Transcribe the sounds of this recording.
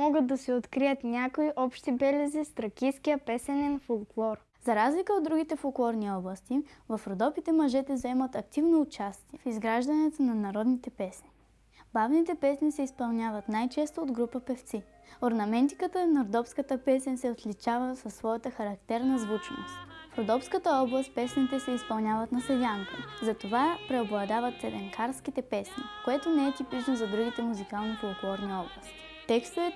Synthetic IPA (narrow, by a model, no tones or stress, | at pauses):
mɔɡəd̪ːɐsɛot̪kɾijət̪nʲakoiʔɔpʃt̪ibɛlɛzist̪ɾɐkiskijəpɛsɛnɛnfolˠklˠɔɾ | zɐɾazlikəod̪ːɾuɡ̟it̪ɛfolˠklˠɔɾniɔblˠəst̪ivɐfɾod̪ɔpit̪ɛmɐʒɛt̪ɛzɐɛmət̪ɐk̚t̪ivnoːt͡ʃast̪iɛfizɡɾaʒd̪ɐnɛt̪onɐnɐɾɔd̪nit̪ɛpɛsni | bavnit̪ɛpɛsnisɛispɐlˠnʲavɐt̪najt͡ʃɛst̪oːd̪ɡɾupəpɛft̪si | oɾnɐmɛnt̪ikət̪ənɐɾod̪ɔfskət̪əpɛsɛnʲsɛot̪lit͡ʃavəsɐsːvɔjət̪əxɐɾɐkt̪ɛɾnɐzvut͡ʃno̰st̪fɾod̪ɔfskət̪əɔblˠəst̪̚pɛsnʲit̪ɛsɛispɐlˠnʲjavət̪nɐsɛd̪ʲaŋkəzɐt̪ovapɾɛoblˠɐd̪avət̪ɛlɛŋkʰaɾsk̟it̪ɛpɛsnḭkoɛt̪onɛɛt̪ipit͡ʃnozɐd̪ɾuɡ̟it̪ɛmuzikalˠnokolˠokulˠɔɾniɔblˠɐst̪ | t̪ɛkst̪əvɛt̪